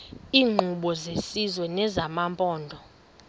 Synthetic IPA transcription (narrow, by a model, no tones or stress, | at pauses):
iːŋ͡ǃʱuɓɔzesizwɛnɛzamampʼɔːndʱɔ